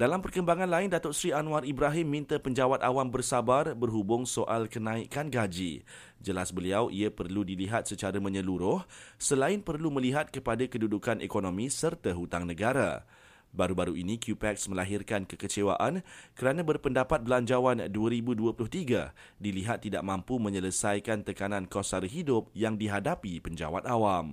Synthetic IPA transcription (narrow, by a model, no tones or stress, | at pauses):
d̥alampərkəmbaŋãnlaɪndat̪ɔʔsɾianũaribɾaɦɪmːĩnt̪əpəɲd͡ʒawat̪awambərsabarbərɦubʊŋsoʔalkənãikanɡad͡ʒḭ | d͡ʒəlasbəliawʔiapərludiliɦat̪̚sət͡ʃaɾamə̃ɲəluɾʊhsəlaɪnpərlumə̃liɦat̪̚kəpadakədudukanḛkonomĩsərt̪aɦut̪aŋnəɡaɾa̰ | baɾubaɾuinĩkjupɛksməlaɦirkankəkət͡ʃewa̰ʔankəɾanãbərpəndapat̪̚bəlaɲd͡ʒawanduaɾibuduapulʊht̪iɡa | diliɦat̪ːida̰ʔ̚mãmpumə̃ɲələsajkant̪əkanãnkosarɦidʊp̚jaŋdiɦadapipəɲd͡ʒa̰wat̪̚awam